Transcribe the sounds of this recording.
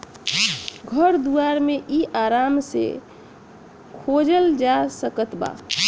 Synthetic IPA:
ɡʱəɾd̪uaɾmeʔiʔaɾamsḛ | kʰod͡ʒəld͡ʒasəkət̪ba̰

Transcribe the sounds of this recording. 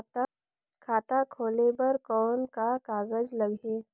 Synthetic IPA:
t̪ | kʰaːt̪akʰoːlebəɾkɔːnkakaːɡəd͡ʒləɡɦeː

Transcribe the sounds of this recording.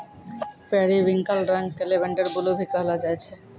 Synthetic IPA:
pɛaɾibiŋkalɾaŋkelebeɳɖaɾɡulobʱikeɦɔlad͡ʑajt͡ɕʰe

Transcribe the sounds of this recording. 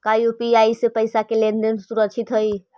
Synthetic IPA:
kajupiajsepəjsakelend̪ensuɾəkt͡ʃʰit̪ɦəj

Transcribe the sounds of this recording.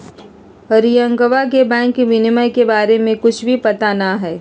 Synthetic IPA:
əɾijə̃ŋkəʋak̬ebɛ̃ːŋkːiʋɪnɪməjkebaːɾemẽkʊt͡ʃʰbʱipɐt̪anaɦɛː

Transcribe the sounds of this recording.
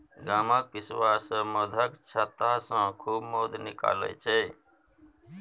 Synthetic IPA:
ɡaːmaːk̚ʋɪswaːsməd̪ʱəkt͡ʃʰət̪aːsãːkʰuːbmoːd̪nɪka̰ːlḛːt͡ʃʰeː

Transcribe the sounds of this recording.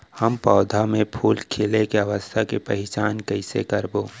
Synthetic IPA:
həmpɔːd̪ʱamẽpʰuːlkʰelekeəʋəst̪ʰakepəɦɪt͡ʃaːnkəɪsḛkəɾboː

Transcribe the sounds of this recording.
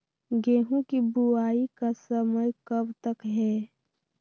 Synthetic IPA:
ɡeːɦũkibuaːikasəməjkəbt̪əkɦɛː

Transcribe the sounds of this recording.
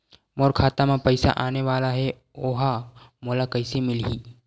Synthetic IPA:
moːɾkʰaːt̪amãpəɪsa̰ʔaːneʋaːlaɦɛ | oːɦamoːlakəɪsemɪlɦiː

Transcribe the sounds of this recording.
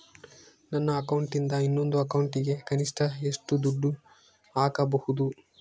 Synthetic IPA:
nɐnːɐːkɐwɳʈind̪ɐinːo̞nd̪uɐkɐwuɳʈiɡe̞kɐniʂʈʰɐeʂʈud̪uɖːu | aːkɐbɐhud̪u

